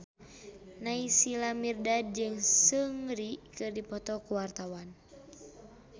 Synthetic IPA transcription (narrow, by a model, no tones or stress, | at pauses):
naisilamirdad̚d͡ʒɨŋsɨŋɾikɨrdipɔt̪ɔkuwart̪awan